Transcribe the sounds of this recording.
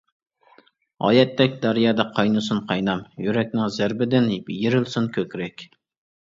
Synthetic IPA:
ɑ̰ːjɛt̪ːɛkʲd̪ɑɾjɑːd̪ɑqʰɑjnɨsunqʰɑjnɑmjyɾɛkʲnɪŋzæɾbɪd̪ɪnbjiɾɪlsunkʲʰøkʲɾɛkʲ

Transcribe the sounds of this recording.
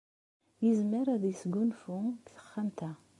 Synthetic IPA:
jəzməɾæðjsɡunfukθə̥χːamt̪æ

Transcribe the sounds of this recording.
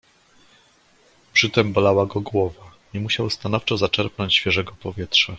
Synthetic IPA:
pʂɘt̪ɛmbɔlawaɡɔɡwɔvaɲɛmuɕawst̪anɔft͡ʂɔzat͡ʂɛɾpnɔɲt͡ɕɕfʲjɛʐɛɡɔpɔvʲjɛt̪ʂa

